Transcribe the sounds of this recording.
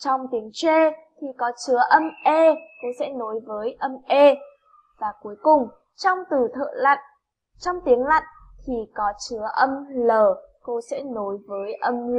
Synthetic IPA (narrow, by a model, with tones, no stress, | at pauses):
t͡ɕɔ˧wŋ͡mt̪i˨˦əŋt͡ɕe˧t̪ʰi˨˩kɔ˨˦t͡ɕɨ˨˦əʔə˧mʔe˧ko˧sɛ̰˧˥no˨˦jvəː˨˦jʔə˧mʔe˧ | vaː˨˩ku˨˩˦əjkʊ˨˩ŋ͡m | t͡ɕɔ˧wŋ͡mt̪ɨ˨˩t̪ʰə̰ː˧˨la̰˧˨jŋ | t͡ɕɔ˧wŋ͡mt̪i˨˦əŋla̰˧˨jŋ | t̪ʰi˨˩kɔ˨˦t͡ɕɨ˨˦əʔə˧mləː˨˩ | ko˧sɛ̰˧˥no˨˦jvəː˨˦jʔə˧m